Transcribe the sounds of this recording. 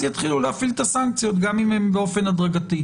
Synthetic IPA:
jat̪χilulehafilt̪asaŋk̚t͡sijo̞t̪ɡamimembeo̞fe̞nad̪ʁaɡat̪i

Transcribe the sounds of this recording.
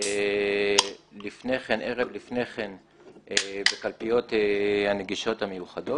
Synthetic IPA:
e | lifneχenʔeʁevlifne̞χen | ebekalpijo̞t̪ehaneɡiʃo̞thamejuχado̞

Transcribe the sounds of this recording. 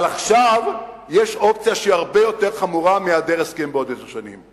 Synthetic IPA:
alaχʃav | jeʃop̚t͡sijaʃeiaʁbejo̞t̪eʁχamuʁamiad̪eʁeskenbeod̪ezeʃanḭm

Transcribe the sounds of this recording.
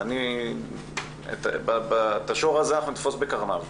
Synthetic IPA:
ani | ḛt̪ababat̪aʃo̞ʁazeanaχnunit̪fo̞sbe̞kaʁnav

